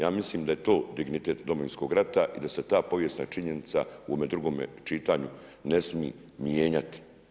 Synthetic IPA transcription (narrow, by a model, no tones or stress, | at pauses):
jaːmisliːmd̪ajet̪o̞ːd̪iɡnit̪e̞ːt̪d̪o̞mo̞ʋinsko̞ɡɾat̪aʔid̪ase̞t̪aːpo̞ʋje̞st̪na̰t͡ʃiɲenit̪sa̰uome̞d̪ɾuɡo̞ːmḛt͡ʃit̪aːɲu | ne̞smḭː | mjeːɲat̪i̥